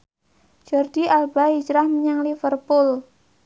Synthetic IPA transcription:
d͡ʒ̥ɔrd̪̥iʔalbaid͡ʒɾahməɲaŋlifərpʊl

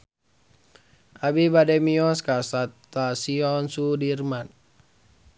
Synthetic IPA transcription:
ʔabibadɛmiɔskasat̪ːasiɔnsudirman

